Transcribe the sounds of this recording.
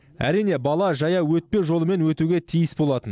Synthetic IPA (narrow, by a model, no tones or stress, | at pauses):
æ̰ɾijne̞bɑlˠɑʒɑjɑwɵt̪̚pe̞ʒo̞lˠəme̞nwɵt̪uɡʲet̪ʰijəsbo̞lˠɑt̪ən